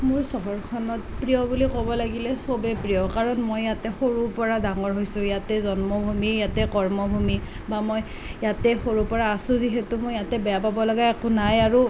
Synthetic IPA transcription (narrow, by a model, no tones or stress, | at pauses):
mʊɹsɔɦɔɹkʰɔnɔtpɹiɔbulikɔbɔlaɡilɛsobɛpɹijɔkaɹɔnmojːatɛxoɹupɔɹadaŋɔɹɦojsʊ̃jatɛzɔnmɔbʱumijatɛkɔɹmɔbʱumi | bamoj | jatɛxoɹupɔɹaːsʊ̃ziɦɛtʊmojjatɛbɛjapabɔlɔɡaɛkʊnajaɹu